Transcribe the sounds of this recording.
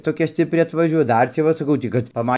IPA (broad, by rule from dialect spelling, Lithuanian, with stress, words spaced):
toːˈkʲɛ sʲtʲɪpʲˈrʲɪ ɐtʋɐˈʒʲuɔjɛ ˈdɐr t͡ʃʲɛ ˈʋɐ sɐˈkɐʊ tɐɪ kɐt pɐˈmɐ